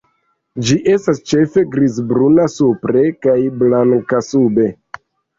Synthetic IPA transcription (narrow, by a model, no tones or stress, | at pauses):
d͡ʒiʔe̞stast͡ʃe̞fe̞ɡɾizbɾunasupɾe̞kajblaŋkasube̞